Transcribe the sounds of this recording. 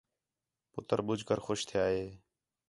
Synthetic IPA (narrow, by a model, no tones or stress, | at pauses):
pʊt̪əɾɓʊd͡ʒʱkəɾxʊːʃt̪ʰɪjaːɦeː